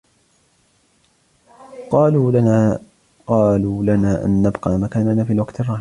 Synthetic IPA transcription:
qɑːlː | qɑːluːlanaːʔa̰nːabqɑːmakaːnanaːfiːalwɑqt̪ɪrˤːɑːh

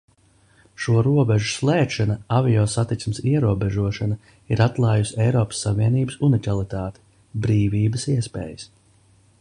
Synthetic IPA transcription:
ʃuɔɾuɔbɛʒuslˠɛːtʃanaaviɔːsat̪it̪smsiɛɾuɔbɛʒuɔʃana | iɾat̪lˠaːjusɛjɾɔːpə̥sːaviɛniːbəsunikalˠit̪aːt̪e̥ | bɾiːviːbəsiɛspɛ̰ːjəs

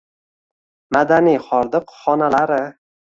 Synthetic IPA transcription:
mad̪anijχɒɾd̪ɨqχɒnalaɾɪ

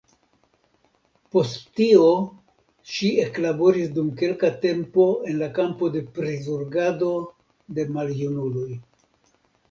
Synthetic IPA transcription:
po̞sttio̞ | ʃie̞klabo̞ɾisdumke̞lkate̞mpo̞e̞nlakampo̞de̞pɾezuɾɡado̞ | de̞maljunuloj

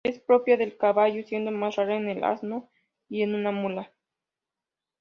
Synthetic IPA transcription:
e̞spɾo̞pjaðe̞lkaβaʝosje̞nd̪omasraɾoenela̰zno | ienũnamula

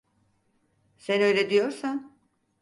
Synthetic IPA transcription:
sɛnøjlʲɛd̪ijo̞ɾsan

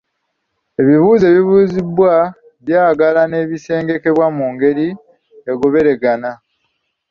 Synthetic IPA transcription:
e̞βiβuːze̞ːβiβuːzibwa | βjaːɡalane̞ːβise̞ːŋɡe̞ke̞βwamuːŋɡe̞ɾi | eɡoβe̞ɾe̞ɡana

